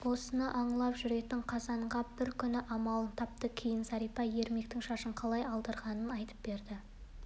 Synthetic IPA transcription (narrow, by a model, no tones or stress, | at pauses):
wo̞sənəʔɑɴlˠɑpʒʏɾe̞t̪ɪɴqʰɑzɑɴʁɑbɪɾkʲʰʏnɪʔɑmɑlˠənt̪ʰɑp̚t̪əkʲʰejɪnsɑɾijpɑje̞ɾme̞kt̪ɪŋʃɑʃəɴqʰɑlˠɑjɑlˠd̪əɾʁɑnənɑjt̪ə̥p̚be̞ɾd̪ɪ